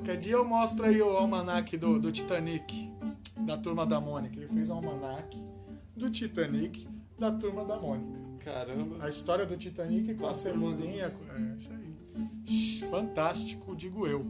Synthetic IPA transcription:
kɛd͡ʒiɐewmɔst̪ɾaiʊawmɐnakɪd̪ʊd̪ʊt͡ʃit̪ɐ̃nikɪ | d̪ɐt̪uɾmɐd̪ɐmõnikɐelɪfezawmɐnakɪ̥ | d̪ʊt͡ʃit̪ɐ̃nikɪ̥d̪ɐt̪uɾmɐd̪ɐmõnikɐka̰ɾɐ̃bɐɐist̪ɔɾiɐd̪ʊt͡ʃit̪ɐ̃nikɪkõɐsẽbolĩɲɐk | ɛʃe | ʃfɐ̃nt̪ast͡ʃi̥kʊd͡ʒiɡʊew

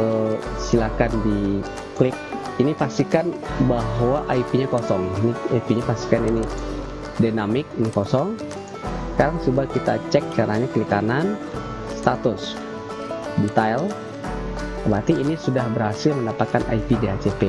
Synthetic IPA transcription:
əsilakandi | klɪk̚ | inipast̪ikanbaɦwaʔaipiɲakɔsɔŋiniaipiɲapast̪i̥kanini | dinamɪk̚nkɔsɔŋ | səkaɾaŋsubakit̪a̰t͡ʃɛk̚t͡ʃaɾaɲaklikanan | st̪at̪ʊs | dit̪ajl | əbat̪iːnisudahbəɾhasəmənapakanʔa̰ipideɦat͡ʃepe

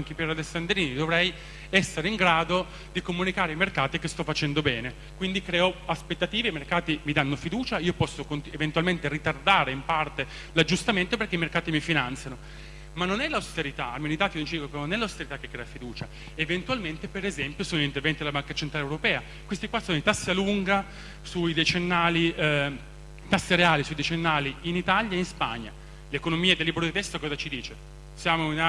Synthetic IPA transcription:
ŋkepɛɾalesːand̪ɾiːnid̪ovɾɛj | ɛsːeɾeiŋɡɾaːd̪o | d̪ikomunikaːɾeimerkaːt̪ikest̪ɔfːat͡ʃɛnd̪obɛːne | kwind̪ikɾɛːɔaspet̪ːat̪iːvemerkaːt̪imid̪anːofid̪uːt͡ʃaiːopɔsːokont̪event̪ualment̪erit̪ard̪aːɾeimpart̪e | lad͡ʒːust̪ament̪operkeimerkaːt̪imifinant̪sjano | manːonɛlawst̪eɾit̪aamːenit̪aːt̪inont͡ʃiikopnonɛlawst̪eɾit̪akːekːɾɛafid̪uːt͡ʃa | event̪ualment̪epeɾezɛmpjosoːnoint̪ervɛnt̪id̪elabaŋkat͡ʃent̪ɾalewɾopɛːa | kwest̪ikwasoːnoit̪asːialuŋɡa | suid̪et͡ʃenːaːli | t̪asːeɾeaːlisuid̪et͡ʃenːaːliinit̪aʎjaeinspa̰ɲːa̰ | lekonomiːed̪elːibɾod̪it̪ɛst̪okɔːzat͡ʃid̪iːt͡ʃe | sjaːmoina

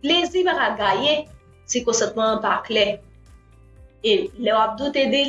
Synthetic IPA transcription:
plezibakaɡaje | sikɔ̃sɐ̃t̪mãpaklɛ | elɛwap̚d̪ut̪ed̪e

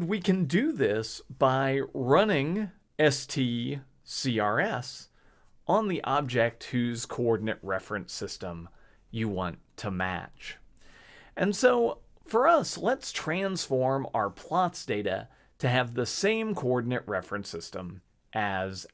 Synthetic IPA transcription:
nwikʰɨ̃ndɨðɪsb̥aɪɹʌnɪ̃ŋ | ɛstʰi | siɑɹɛs | ʔə̃nðiʔɑb̚d͡ʒɛk̚t̚hʉz̥kʰoɔɹdⁿn̩ɨʔ̚ɹɛfɹɨ̃nsɪstə̃m | jɨwɑ̰̃ntʰəmæ̰t͡ʃ | ʔɨ̃nsoʊfə˞ʌslətstʰɹ̥æ̃nsfɔɹma̰ʊə˞pʰl̥ɑtsd̥eɪɾɨ̰ | ɾɨːvðəsẽɪ̃mkʰoɔɹdⁿn̩ɨʔ̚ɹɛfɹɨ̃nsɪstə̃m | ʔɨz

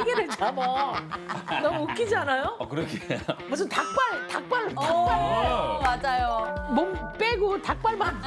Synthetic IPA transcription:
ɡeded͡ʑamʌ | nʌmuokʰid͡ʑianajokɯɾʌkʰimus̬ʰɯntak̚p͈aɭtak̚p͈aɭamad͡ʑajomomp͈eɡotak̚p͈aɭman

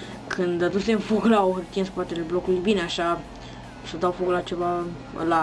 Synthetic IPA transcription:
kʰɨnd̪ad̪useɨ̃nfoklaohɨrt̪ijenspat̪eleblo̞kulujbineaʃa | sad̪awfoklat͡ʃe̞va̰ | la

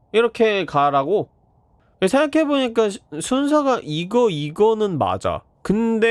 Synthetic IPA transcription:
iɾʌkʰe̞kaɾaɡo | kesʰe̞ŋɡakʰe̞boɲik͈asʰunsʰaɡaʔiɡʌiɡʌnɯnma̰d͡ʑa̰ | kɯnde

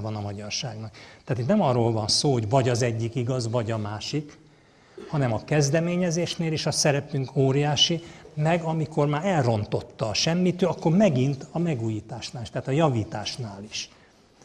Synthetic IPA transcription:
vɒnɒmɒɟɒrʃaːɡnɒkt̪ɛat̪it̪nɛmɒrːoːlvɒnsoːɦo̞ɟvɒɟɒzɛɟːikiɡɒzvɒɟɒmaːʃik | hɒnɛmɒkɛzd̪ɛmeːɲɛzeːʃneːleːʃɒsɛɾɛpyŋkʰoːɾijaːʃimɛɡɒmiko̞rmaːɾɛlro̞nt̪o̞t̪ːɒːʃɛmːit̪øɒkːo̞rmɛɡint̪ɒmɛɡuːjiːt̪aːʃnaːliʃt̪ɛaːt̪ɒjɒviːt̪aːʃnaːliʃ

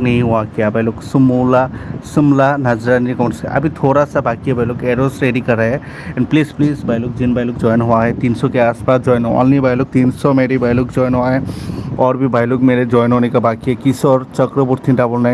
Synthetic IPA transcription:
nɐɦĩɦuakijabajloksumulasumlanɐd͡ʒɾanikɔwɳʈsɛɐ̰bʱit̪ʰoːɾasabaːkiabajlokeːɾosɾeːɖikɐɾaɦɛ | ɛ̃ɳɖpliːspliːsbajlok̚d͡ʒinbajlokd͡ʒɔːjnɦʊaɦɛt̪iːnsɔkeaːspaːsd͡ʒɔːjna̰lnibajlok̚t̪iːnsɔmeɾibajlokd͡ʒɔːjnɦuaɦɛɔːɾbʱibaːjlokmeɾed͡ʒɔːjnɦonekabaːkiɛkisɔɾt͡ʃəkɾəbuɾt̪ʰiɖabolna

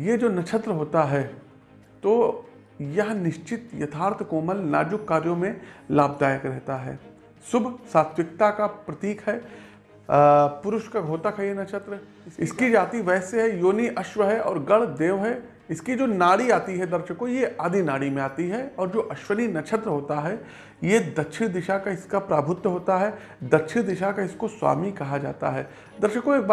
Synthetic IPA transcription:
jed͡ʒoːnɐt͡ʃʰət̪ɾəɦoːt̪aɦɛː | t̪oː | jɐɦnɪʃt͡ʃɪt̪jɐt̪ʰaːɾt̪ʰkoːməlna̰ːd͡ʒʊkːaːɾjõmẽlaːb̚d̪aːjəkɾɛɦt̪aɦɛ̰ː | sʊbʱsaːt̪ʰʋɪk̚t̪akapɾɐt̪iːkɦɛ | pʊɾʊʃkaɡʱoːt̪əkɦɛjenɐt͡ʃʰət̪ɾə | ɪskid͡ʒaːt̪iʋɛːseɦɛjoːniʔɐʃʋəɦɛʔɔ̰ːɾɡɐɽd̪eːʋɦɛ | ɪskid͡ʒoːnaːɽiaːt̪iɦɛd̪ɐɾʃəkojeʔaːd̪ʱinaːɽimẽaːt̪iɦɛɔːɾd͡ʒoːʔɐʃʋəninɐt͡ʃʰət̪ɾəɦoːt̪aɦɛ | jed̪ɐtːʃʰəd̪ɪʃakaɪskapɾaːbʱʊt̪jəɦoːt̪aɦɛ | d̪ɐtːʃʰid̪ɪʃakaɪskoswa̰ːmikɐɦad͡ʒa̰ːt̪a̰ɦɛː | d̪ɐɾʃəkoeːk̚baː

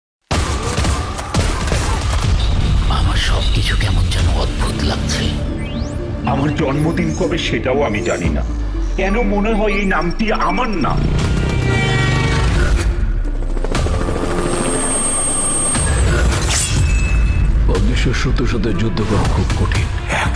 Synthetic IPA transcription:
a̰maɾʃɔbkit͡ɕʰukɛmond͡ʑɛnood̪̚bʱut̪la̰ɡ̚t͡ɕʰe | amaɾd͡ʑɔnmod̪inkɔbeʃeʈaoamid͡ʑanḭna̰ | kɛnomoneɦɔeejnamʈiʔamanːa̰ | podniʃoɾʃut̪ɾoʃod̪eɾd͡ʑud̪ʱːokoɾokʰubkoʈʰin

